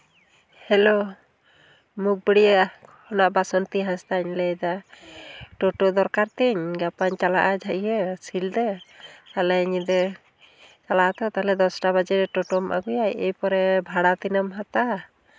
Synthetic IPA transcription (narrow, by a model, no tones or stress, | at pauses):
hɛlo | muk̚bəɽijaʔhɔnaʔbasɔnt̪iɦast̪aɲlɛjd̪a | ʈɔʈɔd̪ɔɾkaɾt̪iɲɡapaɲt͡ʃalaʔad͡ʒʱaʔiəsild̪ɛt̪alɛɲid̪ɛ | t͡ʃalaʔat̪ɔt̪alɛd̪ɔsʈabad͡ʒɛɾɛʈɔʈɔmʔa̰ɡujajejpɔɾɛbʱaɽat̪inəmɦat̪a